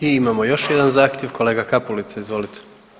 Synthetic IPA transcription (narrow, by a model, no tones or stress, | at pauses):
iimamo̞jo̞ʃjed̪anzaːxt̪jeʋko̞le̞ːɡakapulit̪saizʋo̞lit̪ʰe̥